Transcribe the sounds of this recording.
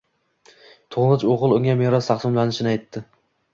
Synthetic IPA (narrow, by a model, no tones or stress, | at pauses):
t̪ʰoʁlˠɪt͡ʃoʁɨlˠʊŋʲameɾɒst̪ʰɑqsɨmlanɪʃɪnɪajt̪ʰːɪ